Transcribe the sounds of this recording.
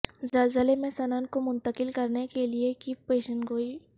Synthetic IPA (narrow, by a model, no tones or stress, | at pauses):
zɐlzəlemẽsɐnaːnkomʊ̃nt̪əkɪlkɐɾnekeliekipeːʃənɡoːi